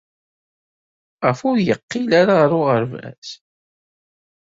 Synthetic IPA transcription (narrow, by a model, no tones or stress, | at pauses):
ʁəfʊɾjəqːilaɾaʁɾʊʁəɾvæ̰s